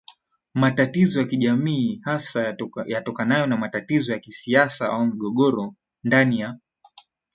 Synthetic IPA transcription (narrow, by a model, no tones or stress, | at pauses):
matatizɔjakiʄamiːhasajatɔkanajɔnamatatizɔjakisiasaaum̩ɠɔɠɔɾɔ | ndanija